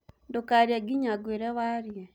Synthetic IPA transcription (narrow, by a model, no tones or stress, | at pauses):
dokaɾjaɡiɲaɡweɾɛwaɾjɛ